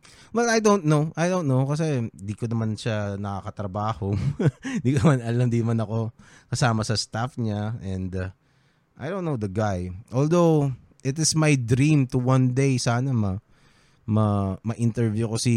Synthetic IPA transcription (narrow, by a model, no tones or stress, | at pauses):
wɛlɐjd̪ownt̪̚nowʔajd̪ownt̪nowkɐs̬ɛnd̪ikonɐmanʃanɐkakɐt̪ɾɐbaːhond̪ikonɐmanɐlamd̪inɐmanɐko̞ | kɐsaːmɐsɐst̪afɲaɛ̃nd̪ | ʔa̰jdõnːowd̪ɐɡajʔold̪ow | ʔɪt̪ɪsmajd̪ɾĩmt̪uwɐ̃nd̪ejsaːnɐmɐ | mɐmɐʔɪnt̪ɛɹvjukosi